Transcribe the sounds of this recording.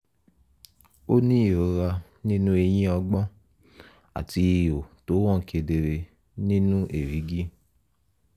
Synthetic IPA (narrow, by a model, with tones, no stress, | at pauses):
o˦nĩ˦˨o˨˦ɾa˧ | nĩ˦nũ˦e˧jĩ˦ɔ˧ɡ͡bɔ˦ | a̰˨ti˧˦˨o˨to˨˦wɔ̃˦˨kʰe˧de˨ɾe˧ | nĩ˦nũ˦ʔe˨ɾi˨˦ɡi˦